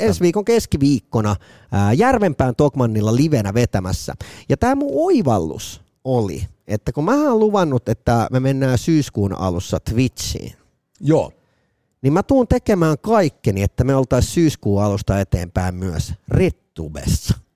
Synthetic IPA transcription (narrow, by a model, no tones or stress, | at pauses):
ensʋiːkoŋkeskiʋiːkːonɑ | jærʋempæːnt̪okmɑnːilːɑliʋenæʋet̪æmæsːæ̰jɑt̪æːmũoiʋɑlːṵs | olḭet̪ːækummæːæoluʋɑnːut̪et̪ːæmemenːæːsyːskuːn̰ɑ̰lusːɑt̪ʋit̪sḭːn | joː | nimmæt̪uːnt̪ekemæːŋkɑikːiniet̪ːæmeolt̪ɑissyːskuːɑlust̪ɑet̪ḛːmpæimmyøsret̪ːṵbḛsːɑ̥